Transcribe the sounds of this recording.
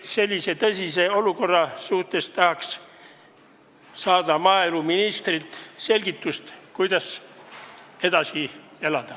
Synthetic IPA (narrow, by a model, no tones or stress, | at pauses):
se̞lʲːise̞t̪ɤsʲise̞o̞luko̞rːɑsuht̪e̞st̪ɑhɑks | sɑːd̪ɑmɑːeluminist̪rilt̪se̞lʲɡit̪ːˑust̪kujd̪̥ɑs | e̞d̪ɑsie̞lɑd̪̥ɑ